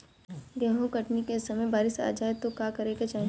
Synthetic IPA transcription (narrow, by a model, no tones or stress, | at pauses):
ɡɛːɦõkɐʈnikesɐməjbaːɾɪsa̰ːd͡ʒaːet̪okaːkɐɾeːket͡ʃaːɦ